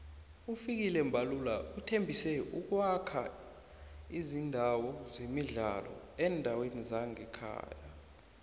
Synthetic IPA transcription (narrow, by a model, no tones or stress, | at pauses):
ufik̬ilɛmbʱalulautʰembʱisɛuk̬wakʰa | izindʱawɔzemiɮa̰lɔ̰ | ɛndʱawenizaŋɛkʰa̰ːja